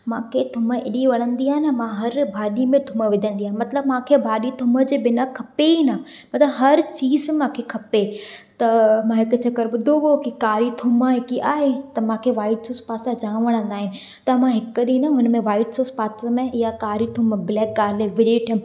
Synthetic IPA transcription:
mãːkʰet̪ʰʊməɪɗiʋɐɽ̃ə̃nd̪iaːɦɪnəmãɦɐɾbʱaːɗimẽt̪ʰʊməʋɪd̪ʱə̃nd̪iaːɦɪnmɐt̪ləbmãːkʰebʱaːɗit̪ʰʊmə̆d͡ʑeːbɪnakʰɐpeiːna | mɐt̪ləbɦɐɾt͡ɕiːzmɪ̃mãːkʰekʰɐpet̪ɐmãɦɪkʊt͡ɕʰɐkəɾɓʊd̪ʱoʋokikaːɾit̪ʰʊmaɦɪkiʔaːɦet̪ɐmãːkʰeʋaːɪʈsoːspaːsãd͡ʑaːɽ̃ʋɐɽ̃ə̃nd̪aːɦɪnɪ̆ | t̪ɐmãɦɪkəɗĩnɐɦʊnəmẽʋaːɪʈsoːspaːsamẽɪjakaːɾit̪ʰʊməblɛːk̚ɡaːɾleʋɪɗiʈʰijʊm

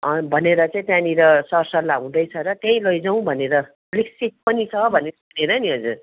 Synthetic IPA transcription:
ʌbʱʌneɾʌt͡sʌĩt̪jãniɾʌsʌrsʌlaɦũd̪ʌjt͡sʰʌɾʌt̪jʌj̃lʌjd͡zʌw̃bʱʌneɾʌ | liksit̪̚pʌnit͡sʰʌbʱʌneuneɾʌniʌd͡zur

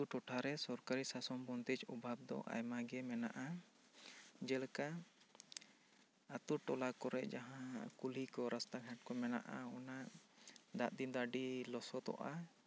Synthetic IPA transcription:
t̪uʈɔʈʰaɾɛsɔɾkaɾisasɔmbɔnd̪it͡ʃɔbʱab̚d̪ɔ̰ʔa̰jmaɡɛmɛna̰ʔa | d͡ʒɛlka | t̪uʈɔlakɔɾɛʔd͡ʒaɦãkulikɔɾast̪aɡʱɛʈ̚kɔmɛna̰ʔaɔna | d̪aʔd̪ind̪aɖilɔsɔt̪ɔ̰ʔa

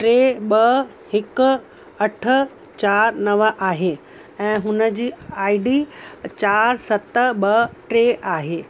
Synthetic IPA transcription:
ʈɾeːɓɐ | hɪk | ɐʈʰə̆ | t͡ɕaːɾnɐʋəʔaːɦe | ɛ̃ːɦʊnəd͡ʑiːaːiɖit͡ɕaːɾsɐt̪əɓɐʈɾeːʔaːɦeː

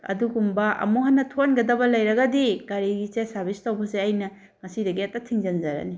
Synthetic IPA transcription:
ɐ̰duɡumbɐʔɐ̰moɦɐnːɐtʰonɡɐdɐbɐlɐjɾɐɡɐdiɡaɾiɡit͡ʃesɐɾbistɐwbɐseɐjnɐ | ŋɐsidɐɡiɐtɐtʰiŋzɐnzɐɾɐ̰ni

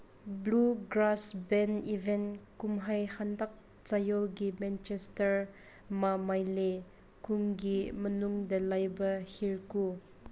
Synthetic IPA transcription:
bluɡɾasbɛnivɛnkumɦɐjhandɐk̚ | t͡sajɔlɡimɛnt͡ʃɛstɐɾ | mamɐjle | kuŋɡimənuŋdɐlɐjbɐhiɹku

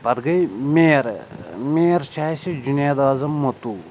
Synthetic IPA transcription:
bɐd̪ɡɐjmeːɾmeːɾt͡ʃʰaːsid͡ʒunjaːd̪aːzɐmːot̪uː

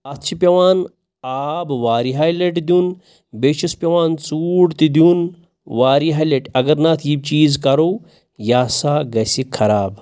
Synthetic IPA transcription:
ɐt̪t͡ʃʰipʲɐʋaːn | aːbʋaːɾiɦaːjleʈd̪un | beːʃuspʲɐʋaːnt͡suːɽt̪id̪un | ʋaːɾiɦaːjleʈɐɡɐɾnaːt̪ʰjiːb̚t͡ʃiːzkɐɾo | jaːsaːɡɐsikʰːɐɾaːb

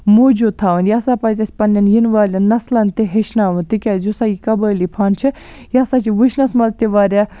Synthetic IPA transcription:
moːd͡ʒut̪ʰaːʋɐnjaːsaːpɐzʲɐsʲpɐnːɐnjinʋaːlʲɐnɐslɐnt̪iɦeʃnaːʋɨnt̪ikʲaːzusajikɐbəːlipʰaːnt͡ʃʰi | jaːsaːt͡ʃʰiʋɨʃnɐsmɐlt̪iʋaːɾʲa

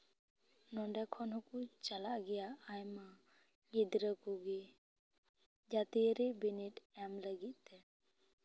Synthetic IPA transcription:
nɔɳɖakʰɔnɦɔkut͡ʃalaʔɡɛjaajma | ɡid̪ɾəkuɡi | d͡ʒat̪iəɾibiniʈɛmləɡit̪̚ˀt̪ːɛ

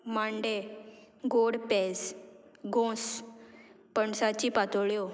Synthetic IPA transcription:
maɳɖeɡoɽpɛsɡʱõs | pəɳsat͡ɕiːpat̪oɭjo

